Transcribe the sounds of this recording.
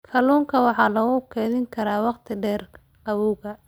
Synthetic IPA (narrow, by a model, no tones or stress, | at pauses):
kʰɐluːŋkʰɐwɑħɑːlɐɣʊkʰɛːðɪŋkʰɐɾaːwɑqt̪ʰɪɖɛːrʰ | ɐβɔːɣɐ